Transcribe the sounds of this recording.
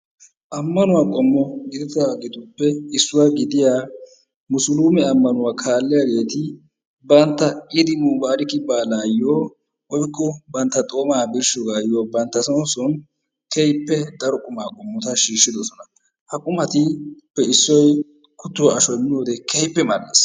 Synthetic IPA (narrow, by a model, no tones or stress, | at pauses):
ʔɐmːɐnʊwaːkʼɔmːɔɡɪd̪ɪt̪aːɡɪd̪ʊpːɛɪsːʊwaɡɪd̪ɪjaː | mʊsʊluːmɛɐmːɐnʊwaːkʰaːlːɛjaɡe̞ːt̪ɪ | bɐnt̪ːɐɪd̪ɪmuːbaːɾɪkɪbaːlaːjːoː | wɔjkːɔbɐnt̪ːɐt̪ʼo̞ːmaːbɪɾʃɔɡaːjːoːbɐnt̪ːɐsɔnsɔn | kʰɛjpːɛd̪ɐɾɔkʼʊmaːkʼɔmːɔt̪ɐʃiːʃːɪd̪ɔsɔnɐ | hɐkʼʊmɐt̪ɪpːɛɪsːɔj | kʊt̪ːʊwaɐʃɔjmɪnoːd̪ɛkʰɛjpːɛmɐɾdḛːs